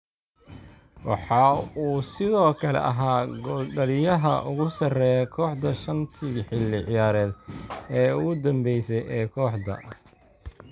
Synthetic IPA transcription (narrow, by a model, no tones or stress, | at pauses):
wɑ̰ħɑːuːsɪðɔːkʰɐlɛ̰ʔɐɦaːɡɔɖɐlɪjɐɦɐ̰ʔʊɣʊsɐrɛːjɛkʰɔːħd̪ɐʃɐnt̪ʰɪɡħɪlːɪʕɪjaːɾɛːd̪ɛːʊɣʊd̪ɐmbɛjsɛjʔɛːkʰɔːħd̪ɐ̰